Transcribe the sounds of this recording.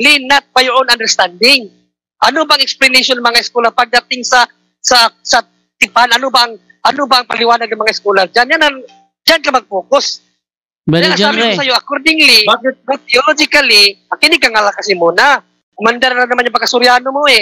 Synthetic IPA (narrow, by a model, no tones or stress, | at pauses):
lɪnat̪̚pajʔonand̪ɛɾst̪and̪ɪŋ | ʔɐnobaʔaŋɛksplɪneʃonɐŋmɐŋaɪskulapɐɡ̚d̪at̪ɪŋsɐ | sɐsɐ | t̪ɪpanɐnobaʔaŋ | ʔɐnobaʔːŋpalɪwaːnad̪̚naŋmɐŋaɪskuːlad͡ʒanjanan | d͡ʒankɐmaɡ̚poːkos | janaaːbɪmosɐjoʔɐkoɾd̪ɪŋlɪat̪ɪolod͡ʒɪkalɪakɪnɪɡkːaŋalakɐsɪmuːna | komand̪ɛɾanɐmanapɐɡkːasʊɾjaːnomoɛ